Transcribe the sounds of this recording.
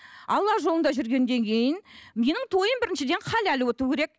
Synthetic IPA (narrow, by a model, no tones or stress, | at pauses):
ɑlˠːɑʒolˠənd̪ɑʒʏɾɡʲe̞nd̪e̞ŋkʲʰe̞jɪnme̞nɪŋt̪ʰo̞jəmbɪɾɪnʃɪd̪e̞nqʰɑlælɪwot̪ukʲʰe̞ɾe̞k̚